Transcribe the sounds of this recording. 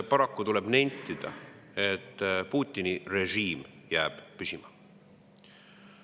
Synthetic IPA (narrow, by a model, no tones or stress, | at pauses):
pɑɾɑkːut̪uleb̥nenʲt̪ːˑid̪̥ɑ̰ | e̞t̪ːpuːt̪ːˑinire̞ʒiːmjæːb̥pysimɑ